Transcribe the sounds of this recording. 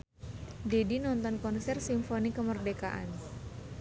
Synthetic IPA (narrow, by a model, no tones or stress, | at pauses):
dedinɔnt̪ɔnkɔnsɛrsimfonikəmərdeka̰ʔa̰n